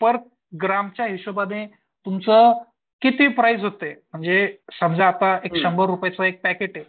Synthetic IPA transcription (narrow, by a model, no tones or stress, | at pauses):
pəɾ̚ | ɡɾamt͡ɕjaɦiɕobad̪e | t̪umt͡sə | kit̪iːpɾajd͡zɦot̪em̤əɳd͡zesəmd͡zaːt̪aekʂəmbəɾːupjat͡səek̚pækeʈe